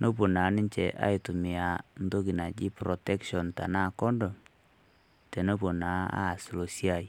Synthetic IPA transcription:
nʔo˦po˨na˨˦nɪ˦ɲt͡ʃɛ̰˨ʔa̰˦i˨tu˨mi˨a˨n̩˦to˦ki˨na˨d͡ʒi˦prɔ˨tɛ˦kʃɔ˨nta̰˨na˦˨kɔ˦ndɔ˨m | tɛ˨no˦po˨na˨˦a̰˦˨slo˨si˦a˨j

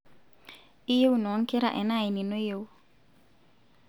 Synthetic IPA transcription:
i˦je˦wnɔ˨˦ŋkɪ˦ɾa˨ʔɛ˨na˦˨ɪ˨ni˨no˦je˦˨wu˦

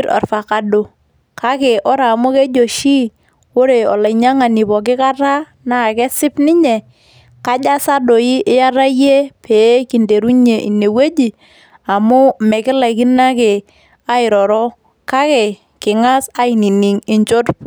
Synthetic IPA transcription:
ɾa̰˨ɾfa˨ka˨do˨ | ka˦ke˨ʔo˦ɾa˨mʊ˦ke˦d͡ʒo˨ʃi˦ | o˦ɾe˨ɔ̰˨la˨ɲa˦ŋa˨ni˨pɔ˨k̬ɪ˦ka˦ɾa˦ | na˨ke˦sɪ˦pnɪ˦ɲe˨ | ka˦d͡ʒa˦sa˦do˨i˦ʔɪ˦ja˦ɾa˦je˦pʰe˨˦ki˨nde˨ɾu˦ɲe˨ʔḭ˨ne˨we˦d͡ʒi˨ | a˨mʊ˦mɛ˨kɪ˦la˨ki˦na˦ke˨ | a˦ɪ˨ɾɔ˨ɾɔ˦ | ka˦ke˨ | kɪ˨ŋa˦sa˦i˨ni˨ni˨ŋɪ˨ɲt͡ʃo˦tp

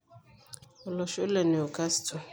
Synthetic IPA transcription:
ɔ˨lɔ˨ʃo˦lɛ˨ne˨o˨ka˦stʰo˨

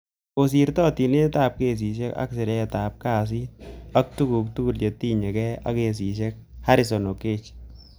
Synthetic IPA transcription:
o˨si˨ɾtɔ˦ti˨ne˦ta˦˨p̚ke˦˨s̬i˨ʃe˦ka̰˦ksɪ˨ɾɛ˦ɛ˨ta˨p̚ka˦˨s̬i˦a˦k̚tu˦ku˨k̚tu˦ɡu˦˨lje˨ti˦ɲe˨kɛ˦a̰˦ke˨s̬i˨ʃe˦k̚ha˦ɾɪ˨s̬o˨no˨ke˦t͡ʃ

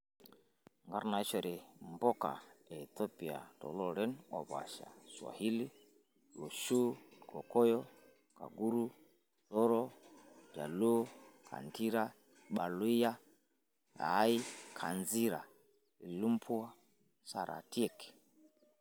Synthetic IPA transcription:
ŋɡa˦ɾna˨i˦ʃɔ˨ɾɛ˨mbɔ˦ka̰˨ɛ˨tɔ˦pi˨a̰˨tɔ̰˨lɔ˦ɾɛ˦nɔ̰˨βa̰˨ʃa̰˨swa̰˨hi˦li˦ | lɔ˨ʃu˦kɔ˨kɔ˦jɔ˦ | ka̰˨ɡu˦ɾu˦ | lɔ˦ɾɔ˦d͡ʒa̰˨lu˦kʰa̰˨nti˦ɾa˦ | ɓa˨lu˦i˦ja˦ | a̰˨˦i˦kʰa̰˨nzi˦ɾa˨ | i˨lu˦mpʰu˦a˦ | sa˨ɾʔa̰˨ti˦ɛ˨k

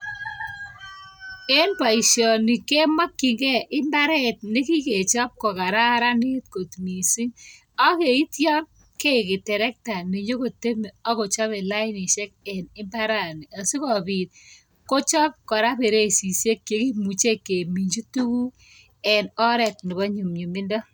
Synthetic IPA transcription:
e˦npa˨i˨ʃɔ˨ni˨ke˦ma˦kːi˨ŋɡɛ˦ʔɪ˦mba˦ɾɛ˦t̚ne˦ki˦ke˨t͡ʃɔ˦p̚kɔ˨ka˨ɾa˦ɾa˦nɪ˦tko˨tmi˨si˦ŋ | ɔ˦ke˨i˦tjɔ˦n | ke˦kɪ˨tɛ˨ɾɛ˦k̚ta˨ne˨ɲo˦ko˨te˦m˨ɔ˦ko˨t͡ʃɔ˦βe˨la˦ɪ˦ni˨ʃɛ˦k̚ɛ˨nɪ˦mba˦ɾa˦˨ni˨a˨si˦kɔ˨pi˨t̚ | ko˦t͡ʃɔ˦p̚kɔ˨ɾa˦pe˨ɾe˦si˨se˦kːe˨ki˦mu˨t͡ʃe˦kːe˨mi˨ɲd͡ʒu˦tu˦ku˦ | ɛ˨nɔ˦ɾɛ˨t̚nɪ˨bɔ˦ɲu˨mɲu˨mɪ˦ndɔ˦

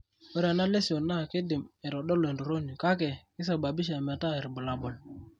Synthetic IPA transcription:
o˦ɾa˨na˦le˦si˨o˨na˦˨ke˦dɪ˨mɛ˨ɾɔ˨ɗɔ˦lo˨e˨ndu˨ɾo˦ni˨ka˦kɛ˨kɪ˦sa˨ba˨bi˦ʃ̬a˨ma˨ta˦e˨ɾbu˨la˨bɔ˨l

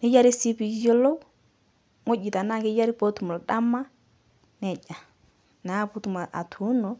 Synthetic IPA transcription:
ni˦ja˦ɾi˦si˦pi˨˦d͡ʒɔ˦lɔ˦ | ŋɔ˦d͡ʒi˨ta˨na˦˨ke˦ja˦ɾi˦pɔ˦tu˨mu˨lda˦ma˦ | nɛ˨d͡ʒa˨ | na˨˦pu˦tu˨ma˨a̰˨tʰu˨˦nɔ˨

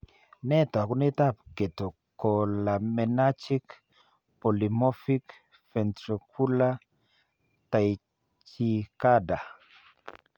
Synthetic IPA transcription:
nɛ˦t̪ɔ˨ku˦nɪ˦t̪a˦˨p̚ke˨to˨ | kɔ˨la˨mɛ˨na˦t͡ʃi˦k | po˨li˨mɔ˦fi˦k | fɛ˨ntɾɔ˨kʰu˦la˦ | ta˨j | t͡ʃi˨ka˦da˨

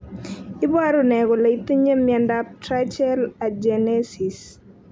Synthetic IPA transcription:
i˦ba˦ɾo˨nɛ˨ɡɔ˨la˨i˦t̪i˦ɲe˦mjɛ˨ndap̚tɾa˦t͡ʃɛ˦la˨d͡ʒɛ˨nɛ˦si˨s

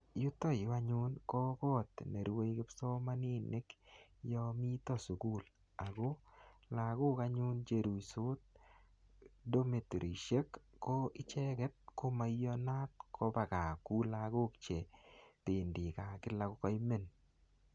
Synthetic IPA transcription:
jʊ˦t̪o˦ja˦ɲʊ˦nkɔ˦kɔ˦t̪ne˨ɾwe˦kɪ˦pso˦ma˦ni˦nːɪ˦kjɔmi˦t̪ɔ˦˨su˨ku˦l | a˨ɡo˦la˨ɡʊ˦ka˦ɲu˦nt͡ʃe˨ɾu˨so˦t̚ | do˦me˨tɾʔi˨ʃe˦kːo˦ɪ˦t͡ʃɛ˦ɡɛ˦t̪̚ko˦ma˨jɔ˦na˦t̪̚kʰo˦ba˨ka˨ku˦laɡo˦kt͡ʃe˨tɪ˨ndi˨ka˨kɪ˦la˦kʊ˦kɔ˦jme˦˨n

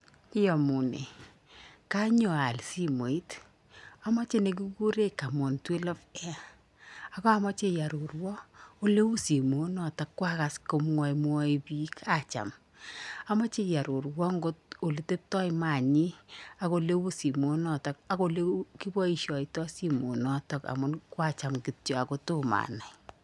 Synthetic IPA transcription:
kɪ˦jɔ˨mu˨nḛ˨ | ka˦ɲo˨a˨lsi˦mo˨i˦t | a˨mɔ˦t͡ʃe˦ne˨k̬i˦ku˦ɾe˦ka˨mo˨ntwe˦lɔ˦fɛ˦ | a˨kɔ˦a˦mɔ˦t͡ʃe˦ja˨ɾu˨ɾwɔ˦o˦le˦wu˦si˨mo˨˦nɔ˨ta˨kːwa˦ka˨sko˨m˦ɔ˨jmwɔ˦i˨bi˦kʰa˦t͡ʃa̰˨m | a˨ma˦t͡ʃe˦ja˨ɾu˨ɾwɔ˦ŋɡo˦t̚o˨li˨˦te˦p̚tɔ˦jma˨ɲi˦a˨ko˨le˦wu˦si˨mo˨˦nɔ˨tɔ˦k̚a˨ko˨le˦ki˦bɔ˦i˨ʃɔ˨i˨tɔ˦si˦mo˨nɔ˦tɔ˦ka̰˨mʊ˦nkwa˦t͡ʃa˨mki˨tjɔ˨a˨ko˦to˦ma̰˨na˨j

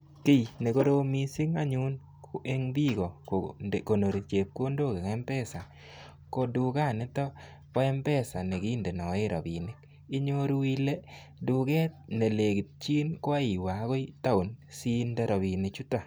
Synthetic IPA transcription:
ki˦jne˨ko˦ɾo˦mi˨si˦ŋa˦ɲu˦n | ke˦ŋbi˦ɡɔ˨ko˨ko˨no˨ɾi˨t͡ʃe˨p̚ko˦ndo˦˨ke˨kɛ˦mpɛ˦sa˨ | ko˨du˨ka˦˨nɪ˦tɔ˦ | ka˦ɛ˦mpɛ˦sa˨ne˨ki˦nde˨nɔ˨˦ɪ˦ɾɔ̰˨bi˨nɪ˦k | ɪ˦ɲo˦ɾwi˦le˦ | du˨kɛ˦t̚ne˨le˨ɡɪ˨t̚t͡ʃi˦nkwa˦i˨wa˨˦ko˦jta˦ʊ˨nsi˦ndɛ˦ɾɔ˨bi˨nɪ˨t͡ʃu˦ta˨

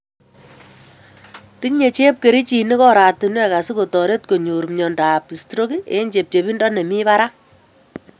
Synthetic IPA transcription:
ti˦ɲɲe˨t͡ʃe˦p̚ke˨ɾi˦t͡ʃi˨ni˦kɔ˦ɾa˨ti˨nwe˦ka˨si˦ko˨tɔ˨ɾe˦t̚ko˨ɲu˨ɾmɲɔ˨nda˨pi˨stɾo˦ki˦ḛ˦ɲd͡ʒe˨p̚t͡ʃe˨bi˦ndɔ˦ne˨mi˦βa˦ɾa˦

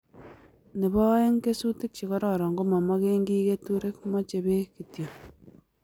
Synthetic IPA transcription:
ne˨βɔ˦e˦ŋke˦su˦te˦k̚t͡ʃi˨kɔ˦ɾɔ˨ɾɔ˨ŋɡo˦mɔ˨mɔ˦ke˦ŋɡi˦ke˦tuɾe˦kmɔ˦t͡ʃe˨be˦ki˨tjo˨

